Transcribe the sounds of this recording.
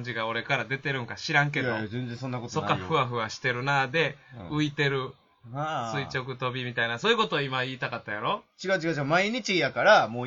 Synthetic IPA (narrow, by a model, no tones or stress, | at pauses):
ɲd͡ʑiɡao̞ɾe̞kaɾad̪e̞t̪e̞ɾɯ̟̃ŋkaɕiɾãŋk̬e̞d̪oẽnzẽsõnːakot̪sokːaɸɯ̟βaɸɯ̟βaɕi̥t̪e̞ɾɯ̟nad̪e̞ɯ̟it̪e̞ɾɯ̟ | sɨit͡ɕo̞k̬ɯ̟t̪o̞bʲimʲit̪ainasoːjɯko̞t̪oːimaiːt̪akat̪ːajaɾo̞t͡ɕiɡat͡ɕiɡat͡ɕiamaiɲ̟it͡ɕijakaɾamo